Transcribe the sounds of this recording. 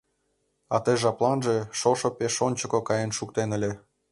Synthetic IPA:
ɑt̪eʒɑplˠɑnʒeʃoʃopeʃonʲt͡ɕə̆kokɑjənʃuk̚t̪enə̆lʲe

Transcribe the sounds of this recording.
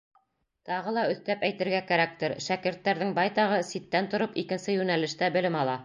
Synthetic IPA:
t̪ɑʁɤlˠɑɵ̆θt̪æpæjt̪ɘ̆ɾɡækæɾæk̚t̪ɘɾʃækɘ̆ɾt̪ːæɾðɘŋbɑjt̪ɑʁɤsit̪ːænt̪ŏɾopikɘ̆nsɘjʉnælɘ̆ʃt̪æbɘ̆lɘmɑlˠɑ

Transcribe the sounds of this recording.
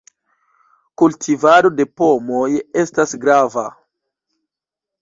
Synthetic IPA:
kultʰivado̞de̞po̞mo̞je̞stasɡɾava

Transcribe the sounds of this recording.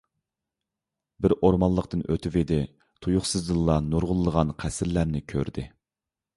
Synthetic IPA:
bɪɾʔoɾmɑnlˠəqt̪ɨnʔøt̪ʰɪved̪ɪ | t̪ʰujʊχsɨzd̪ɨlˠːɑnuɾʁʊlˠːəʁɑnqʰæsɪɾlæɾnɪkʲʰøɾd̪ɪ

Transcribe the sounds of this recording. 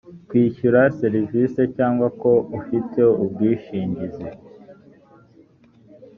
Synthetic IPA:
kwiːçuɾaseɾivise̞caːŋɡwako̞ufitʰe̞ub̚ɡiːʃiːɲɟize

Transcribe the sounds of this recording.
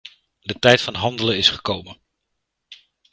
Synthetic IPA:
dətɛjtfɑnɦɑndələnɪsχə̥kowmən

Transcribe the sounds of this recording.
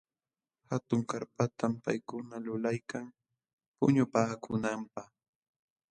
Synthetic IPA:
hat̪ʊŋkaɾpat̪ampa̰jkʊnalʊlajkaŋ | pʊ̰ɲʊpaːkʰʊnampaχ

